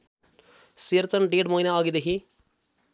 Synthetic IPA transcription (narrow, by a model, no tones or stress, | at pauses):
siɾt͡sʌnɖeɖmʌinaʌɡid̪ekʰi